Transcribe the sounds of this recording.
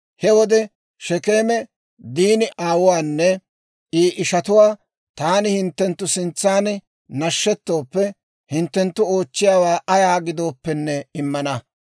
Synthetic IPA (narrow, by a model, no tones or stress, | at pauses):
hɛwɔd̪ɛ | ʃɛke̞ːmɛ | d̪iːnɪʔaːwʊwaːnːɛ | ʔiːʔɪʃɐt̪ʊwaː | t̪aːnɪhɪnt̪ːɛnt̪ːʊsɪnt͡sːaːn | nɐʃːɛt̪ːo̞ːpːɛ | hɪnt̪ːɛnt̪ːʊo̞ːt͡ʃːɪjaːwaːʔɐjaːɡɪd̪o̞ːpːɛnːɛɪmːɐnɐ